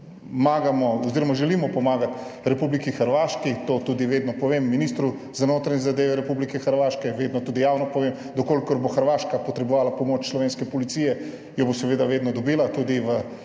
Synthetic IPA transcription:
maːɡamɔɔziɾɔmaʒɛlimɔpɔmaːɡat̪ɾɛpublikixəɾʋaːʃkit̪oːt̪uːd̪iʋeːd̪nɔpɔʋemːiniːst̪ɾu | zanoːt̪ɾanʲɛzad̪eːʋɛɾɛpublikɛxəɾʋaːʃkɛjɛʋeːd̪nɔt̪uːd̪ijaːwnɔpɔʋem | d̪ɔkoːlikɔɾboxəɾʋaːʃkapɔt̪ɾɛboɔʋaːlapɔmoːt͡ʃslɔʋeːnskɛpɔlit̪siːjɛ | jɔbosɛʋeːd̪aʋeːd̪nɔd̪ɔbiːlat̪ud̪iʋə

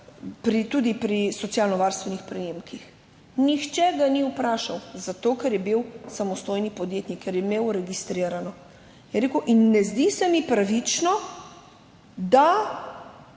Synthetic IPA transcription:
pɾit̪ud̪ipɾisɔt̪sjaːlnɔʋaːɾst̪ʋɛnixpɾɛjemkʰix | nixt͡ʃɛɡaniupɾaːʃawzat̪oːkɛɾjɛbiwsamɔst̪ojnipɔd̪jeːt̪nikːɛɾjɛmewɾɛɡist̪ɾiːɾanɔ | jɛɾeːkuʔinːɛzd̪isɛmipɾaʋit͡ʃnɔ | d̪a

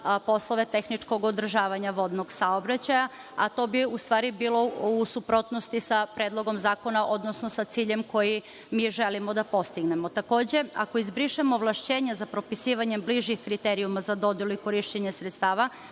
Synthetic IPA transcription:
po̞slˠo̞ʋe̞t̪e̞xnit͡ʃko̞ɡod̪r̩ʒaːʋaɲaʋo̞d̪no̞ɡsaobɾat͡ɕaja | at̪o̞ːbiust̪ʋaːɾibiːlo̞usupɾo̞ːt̪no̞st̪isapɾed̪lˠo̞ɡomzaːko̞naʔod̪no̞snosat̪siːʎe̞mko̞ji | miːʒe̞limo̞d̪apo̞st̪iɡne̞mo̞t̪ako̞ːd͡ʑe̞a̰ko̞izbɾiʃimoʋlˠaʃt͡ɕeːɲazapɾo̞pisiːʋaɲe̞mbliʒjixkɾit̪eɾiumazad̪o̞d̪jelˠuiko̞ɾiʃt͡ɕeɲesɾet̪st̪aːʋa

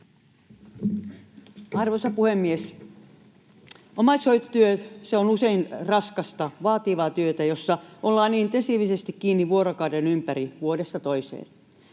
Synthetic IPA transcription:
ɑrʋosɑpuhemːies | omɑsoit̪t̪yøtseonuseinrɑskɑst̪ɑʋɑːt̪iʋɑːt̪yøt̪æjosːɑʔolːɑːniːnt̪esiːʋisest̪ikkiːnːiʋuoɾokɑːdenympæriʋuodesːɑt̪oisḛːn

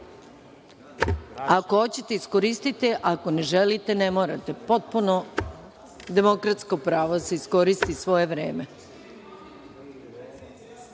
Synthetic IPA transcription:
akoot͡ɕe̞t̪eiskoɾist̪it̪eʔako̞ne̞ʒelit̪enemoːɾat̪e̞po̞t̪̚puno | d̪e̞mo̞kɾat̪skopɾaːʋod̪aseisko̞ɾist̪isʋo̞je̞ʋɾeːme

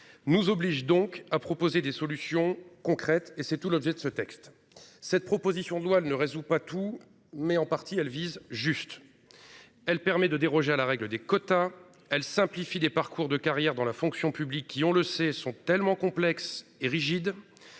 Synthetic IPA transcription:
nuzɔbliʒd̪ɔ̃kapχɔpozed̪esɔlysjɔ̃kɔ̃kχɛt̪esɛt̪ulɔbʒɛd̪əsət̪ɛkst̪ | sɛt̪̚pχɔpozisjɔ̃d̪əlwaɛlnəʁezupat̪u | mɛɑ̃paʁt̪iɛlvizʒyst̪ | ɛlpɛʁmɛd̪əd̪eʁɔʒealaʁɛɡləd̪ekɔt̪a | ɛlsɛ̃plifid̪epaʁkuʁd̪əkaʁjɛʁd̪ɑ̃lafɔ̃ksjɔ̃pyblikʲːiɔ̃ləsɛsɔ̃t̪ɛlmɑ̃kɔ̃plɛkseʁiʒid̪

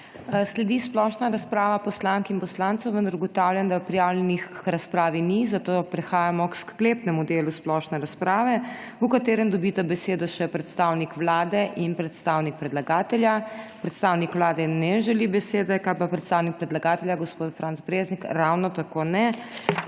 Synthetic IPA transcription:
slɛd̪isplɔʃnaɾaspɾaːʋapɔslaŋkinpɔslant̪sɔwʋənd̪ɐɾuɡɔt̪awljand̪apɾijawlʲjɛnixɾaspɾaːʋinizat̪opɾɛxaːjamɔksklepnɛmud̪eːlusplɔʃnɛɾaspɾaːʋɛukat̪eːɾɛmd̪ɔbit̪abɛseːd̪ɔʃɛpɾɛt̪st̪awnikʋlaːd̪ɛʔinpɾɛt̪st̪awnik̚pɾɛd̪laɡaːt̪ɛljapɾɛt̪st̪aːwnikʋlaːd̪ɛnɛʒɛlibɛseːd̪ɛkalpapɾɛt̪st̪aːwnik̚pɾɛd̪laɡaːt̪ɛljaɡospot̪fɾantsbɾeznikɾawnɔt̪akonɛ

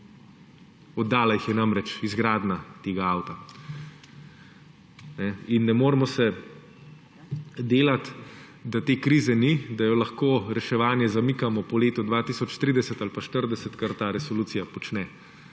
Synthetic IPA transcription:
ɔd̪ːaːlaixjɛnamɾɛt͡ʃizɡɾaːd̪nat̪eːɡaawt̪a | nɛinːɛmoːɾmɔsɛ | d̪eːlat̪ | d̪at̪eːkɾiːzɛnid̪ajɔlaxkoːɾɛʃɛʋaːnjɛzamikamɔpɔleːt̪ɔd̪ʋaːt̪isɔt͡ʃt̪ɾid̪ɛsɛt̪alpaʃt̪əɾd̪ɛsət̪kaɾt̪aːɾɛsɔluːt̪sijapɔt͡ʃnɛ

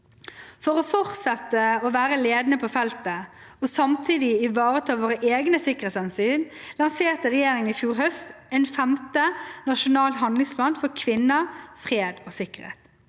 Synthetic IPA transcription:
fɔʁɔːfɔʁt̪sɛt̪ːəɔːʋæːɾəleːd̪nəpʰofɛlt̪əosɑmt̪ʰiːd̪ɪɪʋɑːʁət̪ʰɑːʋoːʁəʔeːɡnəsɪkːəɾeːt̪sɛnsyːnlɑnseːʁt̪əʁɛjeːɾɪŋəifjuːɾɦœst̪ɛnfæmt̪ənɑʃʊnɑːlɦɑnd̪lɪŋspʰlɑːnfɔɾkʰʋɪnːəfʁeːd̪oːsɪkəɾhḛːt̪

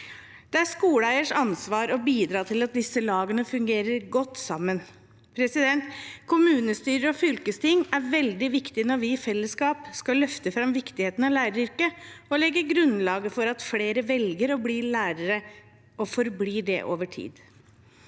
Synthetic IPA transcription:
d̪̥ɛæʂkuːləæɪəʂɑnsʋɑːɾɔbiːd̪ɾɑːt̪ʰɪlɑt̪̚d̪ɪsːəlɑːɡənəfʉŋɡeːɾəɾɡɔt̪ːsɑmːən | pʰɾɛsɪd̪ɛnt̪kʰʊmʉːnəst̪yːɾəɔfʏlkəst̪ɪŋːæɾʋɛld̪ɪʋɪkt̪ɪnɔɾʋɪɪfɛlːəskɑːpskɑlœft̪əfɾɑmʋɪkt̪ɪheːt̪ənɑlæːɾəɾʏɾkəɔlɛɡːəɾɡɾʉnlɑːɡəfɔɾɑt̪fleːɾəʋɛlɡəɾɔbliːlæːɾəɾə | ɔfɔɾbliːɖɛ̰ʔo̰ːʋəʈʰḭːd̪

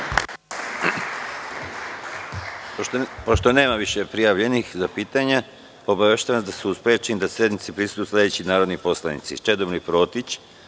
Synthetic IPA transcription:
poʃt̪one̞ːmaʋiʃepɾijaʋʎe̞nixzapiːt̪aɲa | o̞baʋeʃt̪aʋasd̪asuuspet͡ʃenid̪asje̞d̪nit̪sipɾist̪ujuːslʲˠed̪et͡ɕinaːɾod̪nipo̞slˠanḭt̪sḭt͡ʃe̞d̪obnipɾo̞ːt̪it͡ɕ

